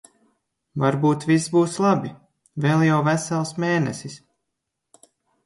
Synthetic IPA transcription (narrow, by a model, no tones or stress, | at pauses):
vaɾbuːt̪visbuːslˠɑbi | velˠjawvæsælˠsmeːnɛ̰sis